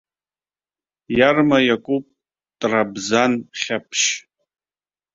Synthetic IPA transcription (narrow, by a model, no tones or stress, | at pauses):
jarmajakʷʼupʼ | tʼrabzanχʲapʰʃ